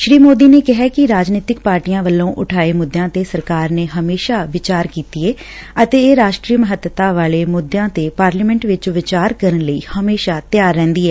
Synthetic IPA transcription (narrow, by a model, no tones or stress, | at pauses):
ʃɾiːmoːd̪iːneːkɪɦɛːkɪɾaːd͡ʒniːt̪ɪkpaːɾʈijãːʋəlːõːʔʊʈʰaːeːmʊd̪ːejãːt̪eːsəɾkaːɾneːɦəmeːʃaːʋɪt͡ʃaːɾkiːt̪iːeː | ət̪eːeːɾaːʃʈɾiːəməɦət̪ːət̪aːʋaːleːmʊd̪jãːt̪eːpaːɾliːmɛ̃ːɳʈʋɪt͡ʃʋɪt͡ʃaːɾkəɾənləḭːhəmeːʃaːt̪jaːɾːɛ̃ːnd̪iːɛː